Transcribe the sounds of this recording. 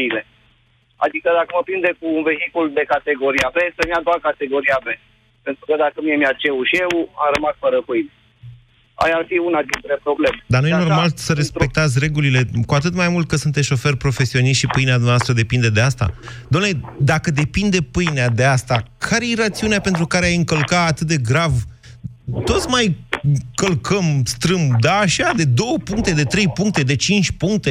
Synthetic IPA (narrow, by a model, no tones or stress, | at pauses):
ile̞ | a̰d̪ikəd̪akəməpɾind̪e̞kuːnve̞ɦikuld̪e̞kat̪e̞ɡo̞ɾiabesəmiad̪oakat̪e̞ɡo̞ɾiabe | pe̞nt̪ɾukəd̪akəmiemiat͡ʃe̞uʃiewamɾəmasfəɾəpɨjne | a̰jafiunad̪int̪ɾe̞pɾo̞blemed̪arnujeno̞rmalsəɾe̞spe̞k̚t̪at̪sʲre̞ɡulile̞kuat̪ɨt̪majmult̪̚kəsunt̪esʃo̞fe̞rpɾo̞fe̞sio̞niʃt̪ʃipɨjnead̪umavast̪ɾəd̪epind̪e̞d̪e̞ast̪a̰d̪amnle̞d̪akəd̪e̞pind̪e̞pɨjnead̪e̞ast̪akʰaɾejeɾat̪siuneape̞nt̪ɾukaɾeajɨŋkəlkaːt̪ɨt̪̚d̪e̞ɡɾav | t̪o̞t̪sʲmajkəlkʰəmst̪ɾɨmd̪aːʃad̪e̞d̪o̞wəpuŋkt̪e̞d̪e̞t̪ɾe̞jpuŋk̚t̪e̞d̪e̞t͡ʃint͡ʃʲpuŋk̚t̪e̞